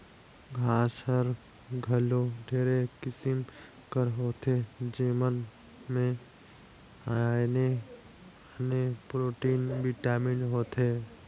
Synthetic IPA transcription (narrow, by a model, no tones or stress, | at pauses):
ɡʱaːshəɾ | ɡʱəloɖʱeːɾekɪsɪm | kəɾɦoːt̪ed͡ʒeːmən | mẽ | ane | nepɾoːʈiːnbɪʈaːmɪnɦoːt̪ɦeː